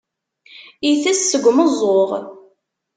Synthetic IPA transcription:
iθæsːəɡʷməzˤːoʁ

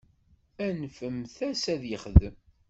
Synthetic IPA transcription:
ænfəmθæsæðjəχðəm

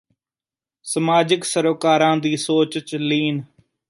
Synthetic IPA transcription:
səmaːd͡ʒɪksəɾoːkaːɾãːd̪iːsoːt͡ʃt͡ʃliːn

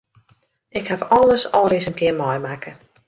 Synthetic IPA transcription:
ɪkhafɔlˠəsɔlˠrɪsənkɪərmɔjmakə

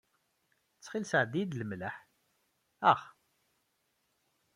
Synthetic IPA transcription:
t͡sːχilsəʕd̪jid̪ləmləħ | æʁ

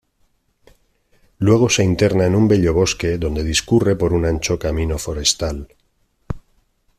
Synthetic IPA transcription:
lwe̞ɣ̞o̞se̞int̪e̞ɾnaenumbe̞ʎo̞β̞o̞ske̞ðo̞nd̪e̞ðiskure̞po̞ɾunãnt͡ʃokamĩno̞foɾe̞st̪al

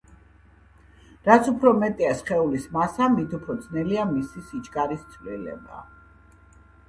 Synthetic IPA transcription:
ɾat̪sʰupʰɾɔmɛt̪ʼiasχɛulismasamit̪ʰupʰɾɔd̪znɛliamisisit͡ʃʼkʼaɾist̪sʰvlilɛ̰ba̰

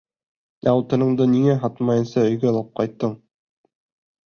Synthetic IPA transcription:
ɑwt̪ɤ̆nɤ̆ɴd̪ɤniŋæɦɑt̪mɑjɤ̆nsɑɵ̆jɡælˠɤp̚qɑjt̪ːɤɴ

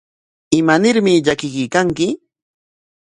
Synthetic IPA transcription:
ɪmanɪɾmɪʎakɪkɪkaŋkɪ

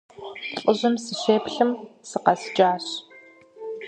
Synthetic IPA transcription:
ɬʼɨʑɨmsɨɕeːpɬɨmsɨqɐsd͡ʒʼaːɕ

